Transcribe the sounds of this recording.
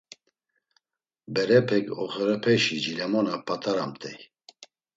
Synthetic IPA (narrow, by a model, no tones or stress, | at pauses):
bɛɾɛpʰɛkɔ̰χɛɾɛpʰɛʃid͡ʒilɛmɔnapʼat̪ʰʼaɾa̰mt̪ʰʼɛj